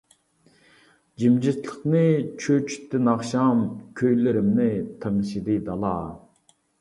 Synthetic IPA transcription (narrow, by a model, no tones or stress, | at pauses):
d͡ʒimd͡ʒislˠəχnɨt͡ʃʰøt͡ʃʰy̥t̪ʰːɪnɑχʃɑmkʲʰøjlɪɾɪmnɪt̪ʰəŋʃid̪ɨd̪ɑlˠɑː